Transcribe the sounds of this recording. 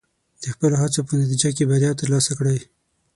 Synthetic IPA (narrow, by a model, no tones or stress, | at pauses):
d̪̥əxpəloɦat͡sopənat̪̬id͡ʒak̬ebaɾjɑt̪əɾlɑsakɽaj